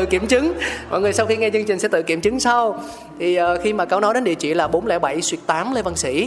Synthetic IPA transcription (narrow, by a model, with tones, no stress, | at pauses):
ɨ̰˧˩ki˧˩əmt͡ɕɨ˨˦ŋmɔ̰˧˨jŋɨ˨˩əjsa˧wxi˧ŋɛ˧t͡ɕɨ˧əŋt͡ɕï˨˩ŋ̟sɛ̰˧˥t̪ɨ̰˧˨ki˧˩əmt͡ɕɨ˨˦ŋsa˧w | t̪ʰi˨˩ʔəː˨˩xi˧maː˨˩kaː˨˦wnɔ˨˦jɗe˨˦nɗḭ˧˨t͡ɕḭ˧˨laː˨˩ɓo˨˦nlɛ̰˧˩ɓa˧˩jswi˧˩ək̚t̪aː˨˦mle˧və˧˩nsḭ˧˩